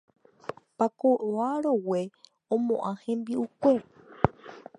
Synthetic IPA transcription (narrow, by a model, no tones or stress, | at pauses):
pakoʔoaɾowe̞ | õmõ̞ʔãhẽ̞mbiukʷe̞